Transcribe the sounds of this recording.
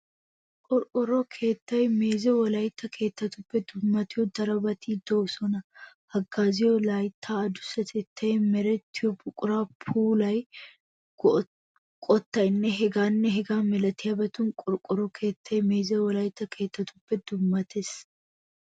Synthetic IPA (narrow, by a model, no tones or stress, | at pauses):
kʼɔɾkʼʊɾɔkʰeːt̪ːɐjme̞ːzɛwɐlaːjɪt̪ːɐkʰe̞ːt̪ːɐt̪ʊb̥ːɛd̪ʊmːɐt̪ɪod̪ɐɾɐbɐt̪ʰiːd̪̥oːsɔnɐ | hɐɡːaːzɪjolaːjɪt̪ʰːaːɐd̪ʊ̥sɐt̪ɛt̪ʰːɐɛmɛɾɛt̪ːɪobʊkʼʊɾaːpʰuːlɐj | kʼɔt̪ːɐɪnːɛɦɛɡaːnːɛɦɛɡaːmɛlɐt̪ɪɐbɐt̪ʊŋkʼʊɾkʼʊɾɔkʰe̞ːt̪ːɐjɛmeːzɐwɐlaːjɪt̪ːɐkʰe̞ːt̪ːɐt̪ʊb̥ːɛd̪̥ʊmːɐt̪ɛs